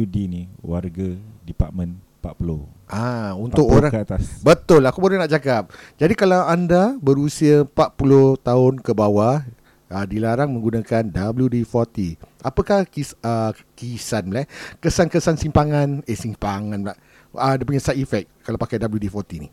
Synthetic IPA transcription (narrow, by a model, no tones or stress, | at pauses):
udiniwarɡadipat̚mə̃n | pa̰t̪̚pulo | ʔaunʊkoɾaŋkat̪asbət̪ʊlakubəɾanaʔd͡ʒakap̚d͡ʒadikalawandabəɾusiapat̪̚pulʊht̪aʊnkəbawa | ədilaɾaŋmə̃ŋɡunakandabljudifɔrt̪iʔapəkahkiə | kisanlakəsankəsansimpaŋãnesimpaŋãnla | ədapuɲasaʔifɛk̚kːalawpakajdabludifɔrt̪inḭ